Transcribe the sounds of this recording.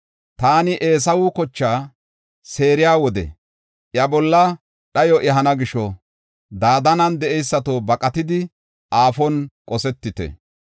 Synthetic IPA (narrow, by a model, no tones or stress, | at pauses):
t̪aːnɪʔe̞ːs̬ɐwʊkɔt͡ʃːaː | se̞ːɾɪjaːwɔd̪ɛ̰ | ʔjɐbɔlːɐ | ɗɐjɔʔɛɦɐnɐɡɪʃɔ | d̪aːd̪ɐnɐnd̪ɛʔɛjsːɐt̪oːbɐkʼɐt̪ɪd̪ɪ | ʔaːfɔnkʼɔsɛt̪ːɪt̪ɛ̰